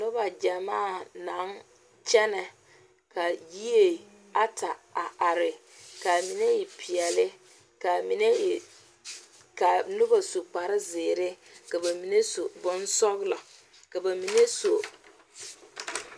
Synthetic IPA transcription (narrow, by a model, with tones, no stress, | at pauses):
nʊ˦ba˨d͡ʒa˨maː˦˨na˨˦ŋ | t͡ʃɛ˦nɛ˨ | ka˨ji˦e˨ | a˨ta˨a˨a˨ɾɪ˨ | ka˨mi˨ne˦ɪ˨pʰɪ˨ɛ˨lɪ˦ | ka˨mi˨ne˦˨ | ka˨nʊ˦ba˨su˨k͡pa˨ɾɪ˦zɪː˨ɾɪ˦ka˨ba˨mi˨ne˦so˨bʊ˦nsɔ˦ɣlɔ˨ | ka˨ba˨mi˨ne˦so˨